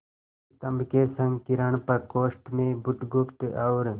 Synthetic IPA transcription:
t̪ɐmkeːsɐ̃ŋɡkiɾɐɳpɐkoːʂʈmẽːbut̪ɡupt̪awɾ

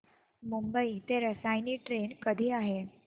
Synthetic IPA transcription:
mumbəit̪eɾəsajniːʈɾenkəd̪ʱiːaɦe

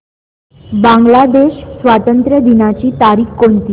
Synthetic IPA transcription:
bãŋɡlad̪eɕsʋat̪ənt̪ɾəd̪inat͡ɕiːt̪aɾiːkːont̪iː

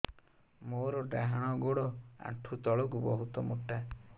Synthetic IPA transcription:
moɾɔɖaɦaɽ̃ɔɡoɽɔa̰ʈʰut̪ɔɭɔkubɔɦut̪ɔmoʈːa

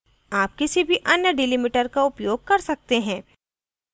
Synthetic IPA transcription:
aːp̚kɪsibʱiʔɐnjəɖɪlimɪʈəɾkaʊpjoːɡ̚kɐɾsɐk̚t̪eɦɛ̃ː

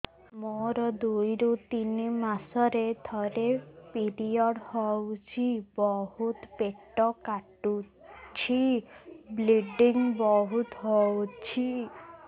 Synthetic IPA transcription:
moɾɔd̪ujɾut̪inimasɔɾed̪ʰʱɔɾepiɾiɔɽhɔwt͡ʃʰibɔhut̪peʈːɔkaʈu | t͡ʃʰi | bliɖiŋbɔɦut̪ɦɔwt͡ʃʰi

